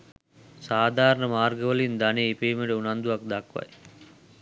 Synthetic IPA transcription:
saːd̪ʱaːɾɐɳəmaːɾɡɐʋɐlind̪aneipeːmeɖeunand̪uʋak̚d̪akʋɐ̰j

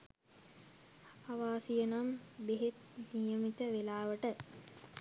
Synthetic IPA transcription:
aʋaːsijənambeɦet̪nijəmit̪əʋelaːʋəʈə

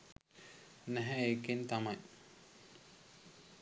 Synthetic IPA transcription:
næɦɛekint̪amaj

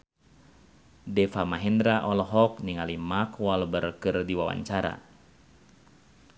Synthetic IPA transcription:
dɛfamaɦɛndɾaʔɔlɔɦɔk̚niŋalimakwalbərkɨrdiwawa̰ɲt͡ʃaɾa̰

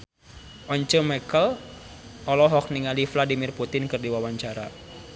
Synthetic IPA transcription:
ʔɔɲt͡ʃəmakəl | ʔɔlɔɦɔk̚niŋalifladimɪrput̪ɪnkɨrdiwawaɲt͡ʃaɾa

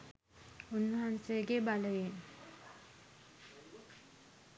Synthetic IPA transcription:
unʋəɦansejəɡebaləjen

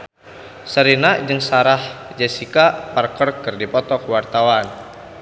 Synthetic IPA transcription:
səɾinad͡ʒɨŋsaɾahd͡ʒasikaparkɔrkɨrdipɔt̪ɔkwart̪awan

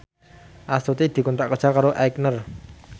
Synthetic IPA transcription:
ʔast̪ut̪id̪̥i̤kɔnt̪ɾaʔkərd̥ʒ̥akaɾoʔajk̚nər

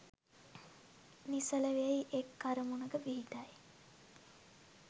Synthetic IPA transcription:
nisələʋeejʔekːaɾəmunəɡəʋiɦit̪aj

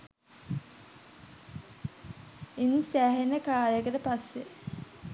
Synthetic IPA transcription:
insæːɦenəkaːɾjəkət̪əpasːe

